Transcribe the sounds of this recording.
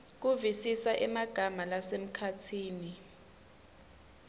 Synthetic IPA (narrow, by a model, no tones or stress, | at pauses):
k̬uvisisaʔɛmaɡ̥ʱamalasem̩kʰatʰiːni